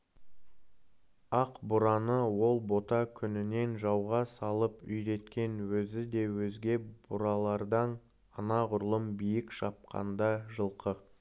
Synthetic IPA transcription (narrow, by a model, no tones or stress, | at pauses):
ɑqbʊɾɑnəwo̞lˠbo̞t̪ɑkʲʰʏnɪne̞nʒɑwʁɑsɑlˠəpʏjɾe̞t̪kʲe̞nwɵzɪd̪e̞wɵzɡʲe̞bʊɾɑlˠɑɾd̪ɑn | ɑnɑʁʊɾlˠəmbijɪkʃɑp̚qʰɑ̰nd̪ɑʒəlˠqə